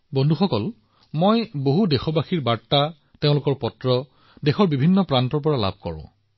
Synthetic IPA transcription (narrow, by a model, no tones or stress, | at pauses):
bɔndʱuxɔkɔl | mojboɦudexɔbaxiɹbaɹtːa | teʊ̃lʊkɔɹpɔtɹɔ | dexɔɹbibʱinːɔpɹantɔɹpɔɹala̰b̚ʱkɔ̰ɹʊ̰̃